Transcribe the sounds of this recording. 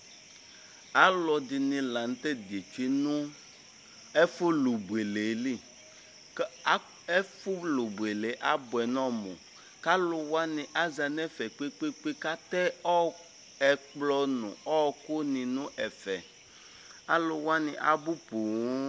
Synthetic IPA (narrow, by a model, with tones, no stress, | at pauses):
a˨˦lɔ˨dɪ˨nĩ˨lã˨n˦t̪ɛ˦de˨t͡ʃi˦nũ˦ | ɛ˦fʊ˦lu˨bu˨e˨le˨li˦˨˦ | ɛ˦fʊ˦lu˨bu˨e˨le˨˦ʔa˦bʊ˨ɛ˨nɔ̃˦mõ̰˨ | ka˦lʊ˨wa˦nɪ̃˨ʔa˦za˨nɛ˦fɛ˨k͡pe˦k͡pe˦k͡pe˦ka˦t̪ɛ˦ɔ˦ | ɛ˨k͡plɔ˦nṵ̃˨ɔ˦˨kʊ˦nĩ˨nʊ̃˦ʔɛ˨fɛ˨ | a˦lʊ˨wa˦nɪ̃˨ʔa̰˦bu˦pu˨˦